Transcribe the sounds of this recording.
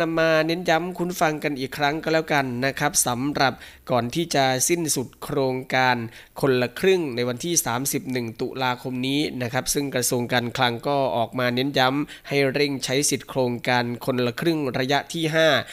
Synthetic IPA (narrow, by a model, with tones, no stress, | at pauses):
na˧mːaː˧ne˦˥nja˦˥mkʰu˧˥nfa˧ŋka˧nʔiː˨˩kʰɾa˦˥ŋka˧˥lɛː˦˥wka˧nːa˦˥kʰɾa˦˥p̚sa˩˦mɾa˨˩p̚ | kɔː˨˩nt̪ʰiː˥˩t͡ɕa˨˩si˥˩nsu˨˩t̪̚kʰɾoː˧ŋkaː˧n | kʰo˧nla˧kʰɾɯ˥˩ŋna˧jwa˧nt̪ʰiː˥˩saː˩˦msi˨˩p̚nɯ˨˩ŋt̪ṵ˨˩laː˧kʰo˧mniː˦˥na˦˥kʰa˦˥p̚sɯ˥˩ŋkɾa˧su˧əŋkaː˧nkʰla˧ŋkɔː˥˩ʔɔː˨˩k̚maː˧ne˦˥nja˦˥mha˥˩jɾe˥˩ŋt͡ɕʰa˦˥jsi˨˩t̪̚kʰɾoː˧ŋkaː˧nkʰo˧nla˧kʰɾɯ˥˩ŋɾa˧ja˦˥ʔt̪ʰiː˥˩ɦaː˥˩